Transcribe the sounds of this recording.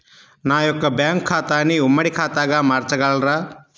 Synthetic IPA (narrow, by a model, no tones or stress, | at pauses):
naːjɔkːɐbjaːŋkʰːaːt̪aːniumːɐɽikʰaːt̪aːɡɐmaːɾt͡ʃɐɡɐɭɾɐ